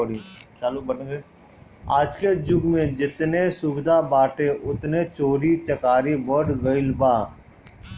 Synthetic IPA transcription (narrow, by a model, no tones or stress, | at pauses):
ɽit͡ʃaːlubəʈe | aːd͡ʒked͡ʒʊɡmẽd͡ʒɪt̪nesʊbɪd̪ʱabaːʈeʔʊt̪net͡ʃoːɾit͡ʃəkaːɾibəɾɖɡəɪlbaː